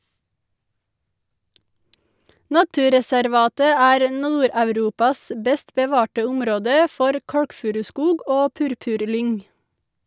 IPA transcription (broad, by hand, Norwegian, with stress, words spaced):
ˈnɑtʉːɾɛsæɾˌʋɑːtə ˈæːɾ ə ˈnuːɾɑʉˌɾuːpɑs ə ˈbɛst bəˈʋɑːʈə ˈʊmɾoːdə ˈfɔɾ ˈkɑɽkˌfʉːɾʉˌskuːɡ ˈʔoː ˈpʉɾpʉʁˌlʏŋ